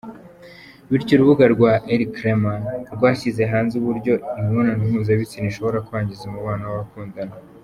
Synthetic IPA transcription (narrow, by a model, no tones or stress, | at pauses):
βiɾɟoɾuβuɡaɾɡwaʔeɾikɾemanɾɡwaːʃize̞ɦaːnzuβuɾɟo̞imonanuβuːnzeβit͡siniʃo̞βo̞ɾakuβaːɲɟizemuβaːnawaβakuːndana